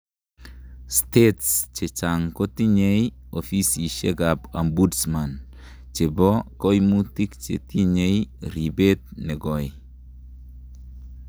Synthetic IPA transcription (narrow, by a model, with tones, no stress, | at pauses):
stetst͡ʃe˨t͡ʃaŋko˦t̪i˦ɲe˦jofi˦si˨ʃe˦ɡapa˨mbudsma˨n | t͡ʃe˨bɔko˦jmu˦ti˦kt͡ʃḛ˨ti˦ɲe˦jɾi˨be˦t̪̚ne˨ɡɔ˨j